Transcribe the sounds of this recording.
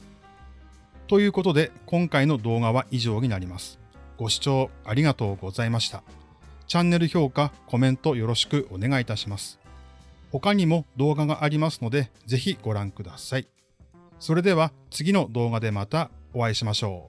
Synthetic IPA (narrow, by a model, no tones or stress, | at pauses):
t̪o̞jɯ̟ːko̞t̪o̞d̪e̞kõ̞ŋkaino̞d̪o̞ːɡaβaʔiʑo̞ːɲ̟inaɾʲimasɨ̥ɡ̥o̞ɕi̥t͡ɕo̞ːaɾʲiɡat̪o̞ːɡo̞zaimaɕi̥t̪a | t͡ɕãnːe̞ɾɯ̟ço̞ːkako̞mẽ̞nt̪o̞jo̞ɾo̞ɕi̥kɯ̟ʔo̞ne̞ɡait̪aɕimasɨ̥ | ho̞kaɲ̟imo̞d̪o̞ːɡaɡaʔaɾʲimasɨ̥no̞d̪e̞d͡ze̞çiɡ̥o̞ɾãŋkɯ̟d̪asai | so̞ɾe̞d̪e̞β̞at͡sɨɡʲino̞d̪o̞ːɡad̪e̞mat̪ao̞βaiɕimaɕo̞̰ː